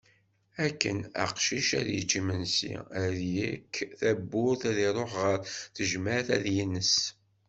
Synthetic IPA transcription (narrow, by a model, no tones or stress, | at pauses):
ækːə̰næ̰qʃiʃæ̰ðjət͡ʃːimənsḭæðjikːθæbːʊɾθæðiɾˤoħʁəɾθəʒmæθæ̰ðjinːəs